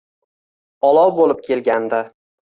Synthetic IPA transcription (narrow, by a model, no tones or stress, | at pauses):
ɒlˠɒwbolɪp̚kʲʰelɡʲand̪a